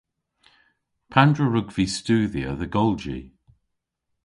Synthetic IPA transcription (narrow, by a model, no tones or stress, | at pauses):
pʰandɹəɹʊɡviːstuːðjə̰ðəɡɔlˠd͡ʒḭ